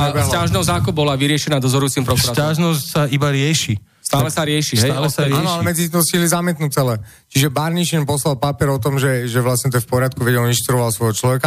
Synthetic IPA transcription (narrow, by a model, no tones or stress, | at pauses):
bcaʒnɛzaːkɔbɔlaʋiɾɪɛʃɛnaːd̪ɔzɔɾujuːt͡simpɾɔkuɾataʒnɔscsaibaɾɪɛʃi | st̪aːlɛsaɾɪɛʃitɛaːlɛsaɾanɔlɛmɛd͡zit̪int̪ɔsilizamɪɛt̪nut͡sɛlɛ | t͡ʃiʒɛbaɾniʃɛɲpɔslalpapɪɛɾɔt̪ɔmʒɛʒɛʋlasɲɛt̪ɛfpɔɾɪat̪̚kuʋɛɟɛlinʃt̪ɾuɔʋalsʋɔjɦɔt͡ʃlɔʋɛka